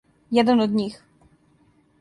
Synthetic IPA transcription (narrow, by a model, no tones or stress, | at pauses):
jɛd̪ɛnɔd̪ɲix